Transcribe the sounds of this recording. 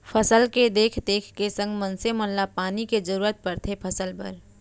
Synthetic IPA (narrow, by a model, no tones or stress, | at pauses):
pʰəsəlked̪eːkʰd̪eːkʰkesə̃ŋɡmə̃nsemonlapaːniked͡ʒəɾuːɾət̪̚pɐɾt̪ʰepʰəsəlbə̰ɾ